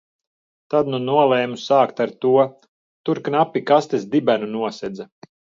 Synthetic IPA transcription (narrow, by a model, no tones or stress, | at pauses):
t̪ad̪nunuɔlˠɛːmusaːkt̪aɾt̪uɔ | t̪uɾknapʲːikast̪esd̪ibænunuɔsɛd̪za